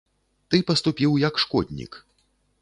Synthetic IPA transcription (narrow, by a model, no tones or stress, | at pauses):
t̪ɨpɐst̪upʲiwjɐkʂkɔd̪ʲnʲḭk